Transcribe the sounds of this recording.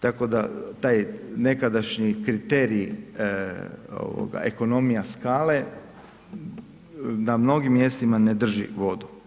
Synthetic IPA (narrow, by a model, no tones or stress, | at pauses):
t̪ako̞d̪a̰t̪aːjne̞kad̪aʃɲikɾit̪e̞ɾi | o̰ʋo̰ɡa̰ʔeko̞no̞mijaskaːle̞ | namno̞ɡimːje̞st̪imaned̪r̩ʒḭʋo̞d̪u